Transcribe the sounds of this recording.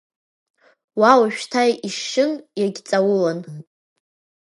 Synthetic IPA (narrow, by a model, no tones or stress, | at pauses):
wawaʃᶣtʰajʔiʃːɨnjaɡʲt͡sʼawʊlan